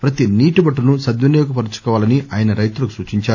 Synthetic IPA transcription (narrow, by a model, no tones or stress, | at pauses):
pɾɐt̪iniːʈibɐʈːunusɐd̪ʋɐnjoːk̬upɐɾut͡ʃu̥kɔːʋaːlɐniʔaːjɐnɐɾɐjt̪ulɐkusuːt͡ʃiɲt͡ʃaːɾ